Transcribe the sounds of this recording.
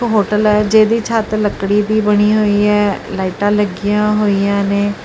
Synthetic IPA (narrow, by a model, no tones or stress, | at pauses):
ɦoːʈəlɛːd͡ʒeːd̪iːt͡ʃʰaːt̪ləkːɽiːbiːbəɽ̃iːɦoːiːɛːlaːɪʈãːləɡɪjãːɦoːiːjãːneː